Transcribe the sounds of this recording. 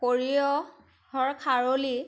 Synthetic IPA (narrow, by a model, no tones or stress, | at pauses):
koɹiɔ | hɔɹkʰaɹoli